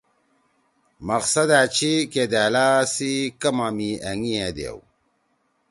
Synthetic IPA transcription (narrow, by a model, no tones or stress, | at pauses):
mɐqsɐd̪aːt͡ɕʰiked̪aːlaːsikɐmamiɐŋied̪ḛw